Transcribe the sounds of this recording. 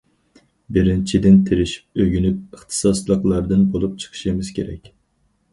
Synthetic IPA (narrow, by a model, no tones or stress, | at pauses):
bɪɾɪnt͡ʃʰid̪ɪnt̪ʰɪɾɪʃi̥p̚øɡʲynyp̚əχt̪ʰɨ̥sɑslˠəqlˠɑɾd̪ɨnbolˠup̚t͡ʃʰə̥qʰə̥ʃimɪz̥kʲʰeɾɛ̰kʲ